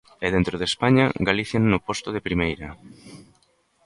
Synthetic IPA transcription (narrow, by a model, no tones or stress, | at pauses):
ɛðent̪ɾoð̞espaɲa̰ɡaliθjannopost̪oðepɾimejɾɐ